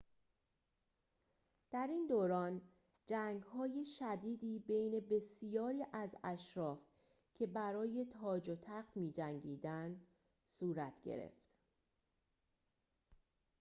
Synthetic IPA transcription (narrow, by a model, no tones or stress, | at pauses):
d̪̥æɾiːnd̪oːɾɒːn | d͡ʒæŋɡhɒːje̞ʃæd̪iːd̪iːbe̞jne̞be̞sijɒːɾiːʔæzæʃɾɒːf | cʰe̞bæɾɒːje̞t̪ʰɒːd͡ʒot̪ʰæxt̪miːd͡ʒæŋɟiːd̪ænd̪ | suːɾæt̪ʰɟḛɾḛft̪